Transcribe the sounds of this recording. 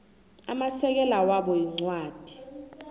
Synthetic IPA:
a̰masɛk̬ɛlawaɓɔjiŋ͡ǀwaːd̥ʱi̥

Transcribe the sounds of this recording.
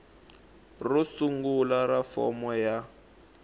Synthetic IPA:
rusuŋɡulaɾafɔ̰mɔja

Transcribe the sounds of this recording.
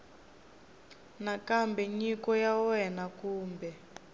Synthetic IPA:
nakambɛɲikɔjawɛnakuːmbɛ

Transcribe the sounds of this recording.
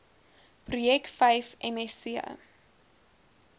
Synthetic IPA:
prujɛktfɐjfɛmɛsiə̰

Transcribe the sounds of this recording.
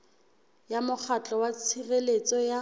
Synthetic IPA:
jamʊk͡xʰat͡ɬʼɔwat͡sʰirelet͡sʼɔja

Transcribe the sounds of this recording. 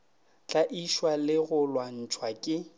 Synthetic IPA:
t͡ɬʼaʔiʃwalɪɣʊlwan̩t͡ʃʰwakʼɪ

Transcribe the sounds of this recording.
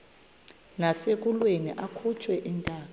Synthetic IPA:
nasek̬ulwenḭʔakʰut͡ʃʰʼwɛʔintʼaːk̬a

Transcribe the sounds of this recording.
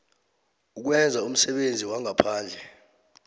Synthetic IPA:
uk̬wɛnd͡zʱaum̩sɛɓend͡zʱiwaŋapʰaːnd͡ɮʱɛ

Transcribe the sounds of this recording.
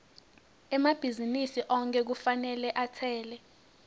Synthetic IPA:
ɛmab̥ʱizinisiʔɔŋk̬ʼɛk̬ufanɛlɛʔatʰɛːlɛ

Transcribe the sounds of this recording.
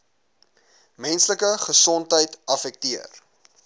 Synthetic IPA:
mɛnsləkəχəsɔntɦəjtɐfɛk̚tiə̰r

